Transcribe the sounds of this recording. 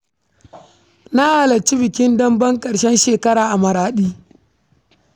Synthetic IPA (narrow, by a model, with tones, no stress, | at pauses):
na˦ʔaː˨lɐ˨t͡ʃi˦bɪ˨kʲɪ˦ndɐ˦mbɐ˦ŋkʼɐ˨ɽʃɛ˦nʃeː˨kɐ˦ɾaː˨ʔa˨mɐ˨ɾaː˨ɗiː˦